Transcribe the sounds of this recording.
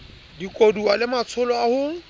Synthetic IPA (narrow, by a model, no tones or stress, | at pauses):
dikʼodualɪmat͡sʰʊlɔahʊ